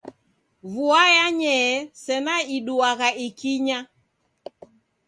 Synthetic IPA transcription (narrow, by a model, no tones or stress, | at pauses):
vuajaɲɛsɛnaiɗuaɣaʔikiɲa